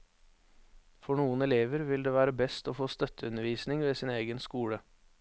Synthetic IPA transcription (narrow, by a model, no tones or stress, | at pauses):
fɔɳuːənɛleːʋəɾʋɪld̪eːʋæːɾəbɛst̪oːfoːst̪œt̪ʰəʉnəʋiːsnɪŋʋeːsɪːneːɡənskuːɽə